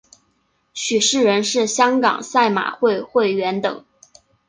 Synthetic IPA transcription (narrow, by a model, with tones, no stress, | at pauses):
ɕy˨˩ʂɻ̩˥˩ɻə˧˥nʂɻ̩˥˩ɕjɑ˥ŋkɑ̰˨˩ŋsa˥˩ɪma̰˨˩xwe˥˧ɪxwe˥˩ɪɥɛ˧˥nt̪ɤ̰˨˩˦ŋ